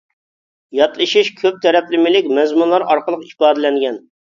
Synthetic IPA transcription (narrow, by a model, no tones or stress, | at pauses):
jɑt̪lˠɨʃiʃkʲʰøp̚t̪ʰɛɾɛplɪmɪlɪkʲmɛzmunlˠɑɾɑɾqəlˠəqipɑːd̪ɪlɛŋɡʲɛn